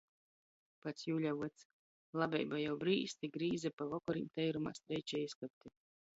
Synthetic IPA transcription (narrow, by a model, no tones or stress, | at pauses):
pat̪sjuːlʲavuɔt̪s | lˠabʲɛjbajawbɾiːst̪ʲiɡɾiːzapavɔkɔɾḭːmt̪ɛjɾuma̰ːst̪ɾɛjt͡ʃɛjiskap̚t̪i